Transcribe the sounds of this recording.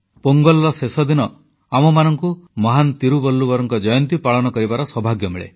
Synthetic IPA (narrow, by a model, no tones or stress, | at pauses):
poŋɡɔlːɔsesɔd̪inɔ | amɔmanɔŋkumɔɦant̪iɾubɔlːubɔɾɔŋkɔd͡ʒɔjɔnt̪ipaɭɔnɔkɔɾibaɾɔswɔbʱaɡjɔmiɭḛ